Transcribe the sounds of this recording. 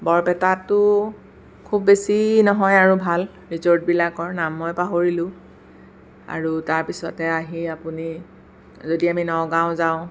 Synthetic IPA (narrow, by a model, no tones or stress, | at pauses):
bɔɹpɛtatːʊ | kʰubːesinɔɦɔjaɹubʱal | ɹizɔɹt̚bilakɔɹnamːɔjpaɦoɹilʊ̃ | a̰ɹutaɹpisɔtɛaɦiapuni | zodiaminɔɡãʊ̃zaʊ̃